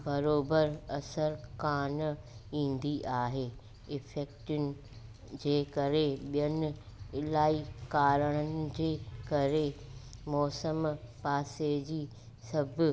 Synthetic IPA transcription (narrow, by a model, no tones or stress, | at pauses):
bɐɾoːbəɾɐsəɾkaːnĩːn̆d̪iʔaːɦeː | ɪfeːkʈʊnɪ̆ | d͡ʑeːkɐɾeɓijənɪ̆ | laːikaːɾəɽ̃ənɪ̆d͡ʑeːkɐɾemɔːsəmpaːsed͡ʑiː | sɐbʱʊ